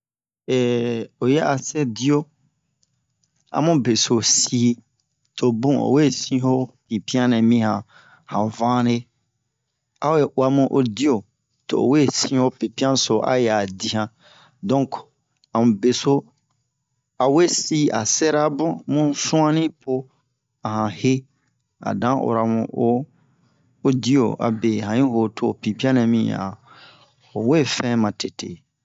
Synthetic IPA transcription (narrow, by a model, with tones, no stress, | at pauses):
ɛ˨o˨jɛ˦a˨sɛ˦di˦o˦ | a̰˨mũ˦be˨so˨si˦ | tʰo˨bũ˦o̰˨we˦˨sĩ˦ho˦pi˨pi˦ã˦nɛ̃˨mĩ˦hã˨ | hã˨vã˦ne˦ | a˦we˦ʔwa˦mũ˦ʔo˨di˦o˨ | to̰˨o̰˨we˦˨sĩ˦ho˦pi˨pi˦ã˦so˨ʔa̰˦jɛ˨a˨di˦hã˨ | dɔ̃˦ŋk | a˨mũ˨be˨so˦ | a˨we˦si˦a̰˨sɛ˦ɾa˦bũ˦mũ˦sũ˦ã˦nĩ˦pʰo˦ | a˨hã˨he˦ | a̰˨dã˨˦o̰˨ɾa˨mṵ̃˦o˦ | di˦o̰˨a̰˨be˨hã˨ɲĩ˦ho˨tʰo˨pi˨pi˦ã˦nɛ̃˨mĩ˦a̰˨ | o˨we˦˨fɛ̃˦mã˨te˨tʰḛ˨